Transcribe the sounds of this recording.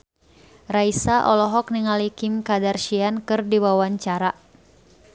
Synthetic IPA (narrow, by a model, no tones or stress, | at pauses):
raisaʔɔlɔɦɔk̚niŋalikimkadarʃiankɨrdiwawaɲt͡ʃaɾa